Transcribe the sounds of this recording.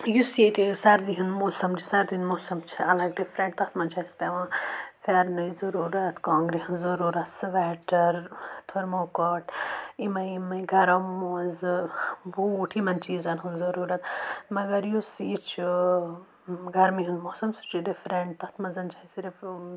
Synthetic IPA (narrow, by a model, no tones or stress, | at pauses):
juset̪isɐɾd̪iɦunmoːsɐmt͡ʃʰisɐɾd̪inmoːsɐmt͡ʃʰiɐlɐɡ̚ɖifɾẽɳʈ̚t̪ɐt̪ʰmɐnt͡ʃʰaispeʋɐ̃faːɾnɐjzɐɾuːɾɐt̪kãːŋɡɾeszɐɾuːɾɐt̪sʋɛːʈɐɾt̪ʰoɾmoːkɔʈʰimɐimɐiɡʱɐɾɐmːoz | buːʈʰimɐnt͡ʃiːzɐnɦuzɐɾuːɾɐt̪mɐɡɐɾjusit͡ʃʰu | ɡɐɾmiɦund̪moːsɐmsi̥t͡ʃiɖifɾeɳʈ̚t̪ɐt̪ʰmɐzɐnt͡ʃʰaisiɾif